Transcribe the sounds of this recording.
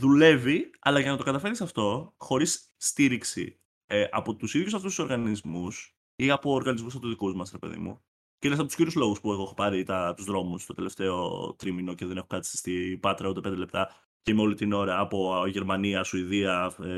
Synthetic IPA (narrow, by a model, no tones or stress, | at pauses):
ðule̞viɐ̰lɐʝɐnɐt̪o̞kɐt̪ɐfe̞ɾisɐft̪o̞xo̞ɾisː | t̪iɾiksḭ | ʔɐ̰po̞t̪usiðjus̬ɐft̪usu̥so̞ɾɣɐnizmus | iɐpo̞ːɾɣɐnizmusɐpot̪ðikuzmɐsɾepe̞̰ðḭmṵ | ceines̬ɐpot̪u̥sciɾiuzlo̞ɣuspuexoexopɐɾit̪ɐt̪uzðɾo̞must̪o̞t̪e̞le̞ft̪e̞o̞̰t̪ɾimino̞ceðe̞ne̞xukɐt̪i̥si̥st̪ipɐt̪ɾɐut̪epend̪elep̚t̪ɐ | ceimeo̞lit̪ino̞ɾɐːpo̞ʝe̞ɾmɐniɐsuiðiɐ